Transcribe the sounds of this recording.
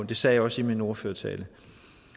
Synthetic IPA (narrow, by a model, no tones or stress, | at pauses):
nd̥e̝sɛ̰ːjɑ̈ɒ̽simino̝ːɐføɐt͡sʰɛ̰ːlə